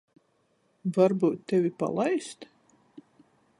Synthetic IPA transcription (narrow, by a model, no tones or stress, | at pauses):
vaɾbuːt̪ːevʲipa̰lˠajst̪